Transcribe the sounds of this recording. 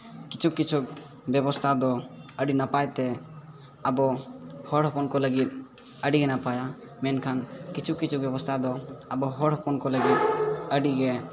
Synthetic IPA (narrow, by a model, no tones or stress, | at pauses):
kit͡ʃʰukːit͡ʃʰuk̚ | bjɛbɔst̪ʰad̪ɔəɖinapajt̪ɛ | abɔhɔɽɦɔpɔnkɔləɡit̪̚ | əɖiɡɛnapaja | mɛnkʰankit͡ʃʰukkːit͡ʃʰuk̚bjɛbɔst̪ʰad̪ɔabɔɦɔɽɦɔpɔnkɔləɡit̪̚əɖiɡɛ